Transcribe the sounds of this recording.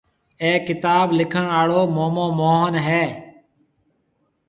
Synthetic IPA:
ẽːkɪt̪aːblɪkʰəɳaːɭoːmoːmõːmoːɦənɦɛː

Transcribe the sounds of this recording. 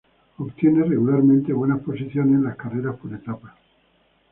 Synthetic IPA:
opt̪je̞nereɣulaɾmẽnt̪e̞βwe̞naspo̞siθjo̞neslaskareɾaspo̞ɾet̪apa

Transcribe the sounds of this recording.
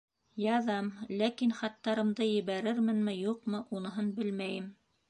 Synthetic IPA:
jɑðɑmlækinχɑt̪ːɑɾɤ̆md̪ɤjɘ̆βæɾɘɾmɘ̆nmɘjuqmɤʔunɤ̆ɦɤnbɘlmæjɘm

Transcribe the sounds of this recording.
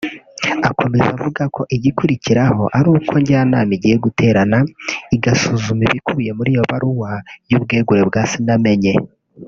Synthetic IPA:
ako̞me̞za̰vuɡakʰo̞ʔiɟikuɾiciɾaho̞̰ʔaɾuːkʰo̞ɲɟanaːmiɟijeɡutʰeːɾanaiɡasuzumiβikuβuje̞muɾijo̞βaɾuwajuːb̚ɡe̞ːɡuɾebɡaːsiname̞ɲe̞

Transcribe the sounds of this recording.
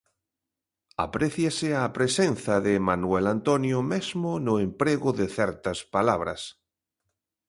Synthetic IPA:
a̰pɾeθjasɪapɾesenθaðɪmanuelant̪onjʊmezmʊnʊempɾeɣʊðɪθɛɾt̪ɐspalaβɾɐ̰s

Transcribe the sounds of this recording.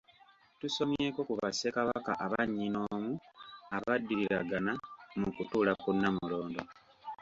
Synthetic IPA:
tuso̞mje̞ːko̞kuβasekaβaka̰ʔaβaɲːino̞ːmuaβadːiɾiɾaɡanamukutuːlakunːamulo̞ːndo

